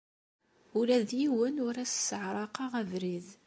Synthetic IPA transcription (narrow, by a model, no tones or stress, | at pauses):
ʊlæðjiwənʊɾæssəʕɾˤɑqɑʁævɾið